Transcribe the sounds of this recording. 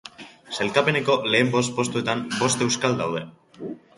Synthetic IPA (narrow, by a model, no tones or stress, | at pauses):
se̞lkape̞ne̞ko̞le̞ːmbo̞st̪po̞st̪ue̞t̪ambo̞st̪e̞wskald̪awð̞e̞